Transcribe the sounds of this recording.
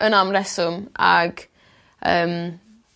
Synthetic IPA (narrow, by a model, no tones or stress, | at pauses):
ənamrɛsʊma̰ɡ | ə̰ːm